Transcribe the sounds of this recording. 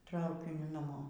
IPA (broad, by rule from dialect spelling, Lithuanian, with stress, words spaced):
ˈtrɐʊkʲɪnʲʊ nɐˈmoː